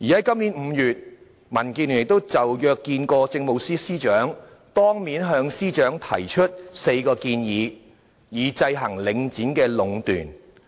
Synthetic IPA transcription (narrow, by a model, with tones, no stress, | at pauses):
jiː˨jɐ˨˥jkɐ˥mnli˨˥nm̩ː˨˧jyː˨t̚ | mɐ˨˩nkiː˧nyː˨˩jɪ˨k̚t̪o˥wt͡sɐ˨wjœː˨˧kːiː˧nkɔː˧t͡sɪ˧ŋmo˨˧wsiː˥siː˥t͡ʃœː˨˥ŋ | t̪ɔː˥ŋmiː˨˥nɦœː˨˧ŋsiː˥t͡ʃœː˨˥ŋt̪ʰɐ̰˨˩jt͡ʃʰɵ˥t̚se˧jkɔː˧kiː˧njiː˨˧ | jiː˨˧t͡sɐ˧jɦɐ˨˩ŋlɪ˨˧ŋt͡siː˨˥nkɛː˧lʊ˨˧ŋt̪y̰ː˨˩n